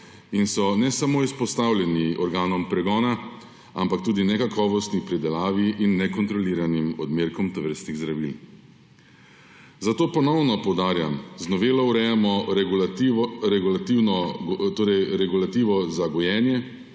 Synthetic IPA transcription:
insɔnɛsamoːispɔst̪awljɛniʔɔɾɡaːnɔmpɾɛɡɔːna | a̰mpak̚t̪uːd̪inɛkakʰɔːʋɔst̪nipɾid̪ɛlaːʋiʔinːɛkɔnt̪ɾɔliːɾanimɔ̰d̪meːɾkɔmt̪ɔʋəɾst̪niɣzd̪ɾaʋil | zat̪oːpɔnɔwnɔpɔwd̪aːɾja̰mznɔʋeːlɔwɾɛjamɔ | ɾɛɡulat̪iwnɔt̪oːɾɛjɾɛɡulat̪iːʋɔzaɡɔjɛːnjɛ

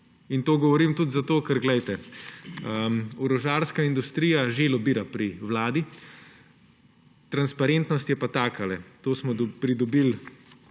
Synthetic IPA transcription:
int̪oːɡɔʋɔɾimt̪ut̪zat̪oːkɛɾɡlɛjt̪ɛ | əmuɾɔʒaːɾskaind̪ust̪ɾijaʒeːlɔbiːɾapɾiʋlaːd̪i | t̪ɾanspaɾent̪nɔst̪jɛpat̪aːkalɛt̪oːsmɔd̪pɾid̪ɔbil

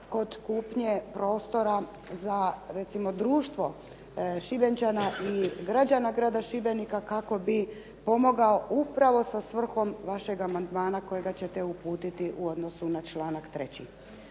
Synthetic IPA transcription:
ko̞d̪kuːpɲepɾo̞ːst̪o̞ɾa | zaɾe̞t̪simo̞d̪ɾuːʃt̪ʋo̞ | ʃibe̞nt͡ʃanaʔiɡɾad͡ʑanaɡɾaːd̪aʃibe̞nikakako̞bi | po̞mo̞ɡao̞ʔupɾaʋo̞sasʋr̩xo̞mʋaʃe̞ɡamand̪maːnako̞jeɡat͡ɕe̞t̪ɛupuːt̪it̪iʔuod̪no̞sunat͡ʃlaːnakt̪ɾe̞t͡ɕḭ

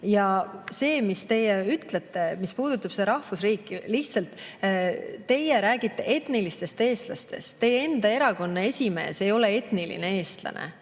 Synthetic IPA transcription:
jɑse̞ːmist̪e̞jeyt̪let̪ːemispuːd̪̥ut̪ːˑɑb̥se̞ɾɑhfusriːkːˑiliht̪sɑlt̪ˑ | t̪ːe̞jeɾæːɡ̥it̪ːˑe̞̰ʔe̞t̪nilist̪e̞st̪e̞ːst̪lɑst̪e̞̰st̪ːe̞je̞nd̪̥ɑe̞ɾɑko̞nːee̞sʲime̞̰ːse̞jo̞le̞e̞t̪nilḭne̞e̞ːst̪lɑ̰nʔḛ

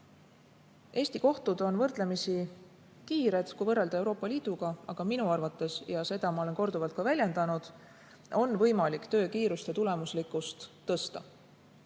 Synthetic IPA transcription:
ʔe̞ːsʲt̪iko̞ht̪ud̪o̞nvɤrd̪̥le̞misi | kiːɾe̞d̪̥kujvɤrːeld̪̥ɑe̞wɾo̞ːpːˑɑliːd̪̥uɡ̥ɑɑɡ̥ɑminuɑrvɑt̪ːˑe̞sjɑse̞d̪̥ɑmɑo̞le̞nko̞rd̪uvɑlt̪̚kɑvælʲje̞nd̪̥ɑnud̪̥ | ʔo̞nːvɤjmɑlikt̪ø̞ːkiːɾust̪e̞t̪ule̞muslikːˑust̪ːɤ̞st̪ɑ̰

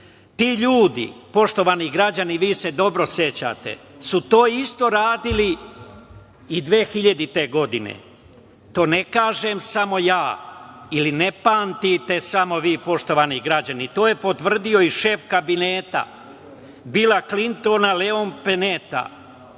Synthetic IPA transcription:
t̪iːʎuːd̪ḭpo̞ʃt̪o̞ʋaːniɡɾad͡ʑaniʋiːse̞d̪o̞bɾo̞sje̞t͡ɕa̰t̪ḛsut̪o̞ːist̪o̞ɾaːd̪ili | id̪ʋeːxiʎad̪it̪e̞ɡo̞d̪inḛ | t̪o̞ːnekaːʒe̞msamo̞jaːilinepaːnt̪it̪e̞samo̞ʋiːpo̞ʃt̪o̞ʋaːniɡɾad͡ʑanit̪o̞ːje̞po̞t̪ʋr̩d̪io̞iʃe̞fkabineːt̪a̰ | bilaklint̪o̞naleonpenet̪a̰

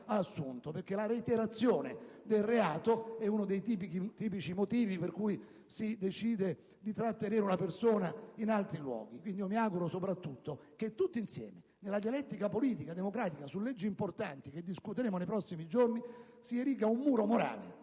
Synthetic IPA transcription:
aːsːunt̪operkelaɾeit̪eɾat̪sːjoːned̪elreaːt̪oɛunod̪ejt̪ipikit̪iːpit͡ʃimot̪iːviperkui | sid̪et͡ʃiːd̪e | d̪it̪ɾat̪ːeneːɾunapersoːnainalt̪ɾilwɔ̰ːɡ̟ikwind̪iomiaɡuɾosopɾat̪ːut̪ːok̟et̪ːut̪ːoinsjɛ̰ːme | nelad̪jalɛt̪ːikapoliːt̪ikad̪emokɾaːt̪ikasulːɛd͡ʒːiːmport̪ant̪ik̟ed̪ːiskut̪eɾeːmonejpɾɔsːimid͡ʒorni | sieɾiːk̬aumːuːɾomoɾa̰ːlḛ

